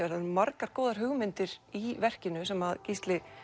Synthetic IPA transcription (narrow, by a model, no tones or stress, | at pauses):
ɛɾanmaɾkaɾ̥koːwðaɾ̥ɦʏɣmɪnt̪ɪɾivɛr̥cɪnʏsɛmaðcist̪lɪ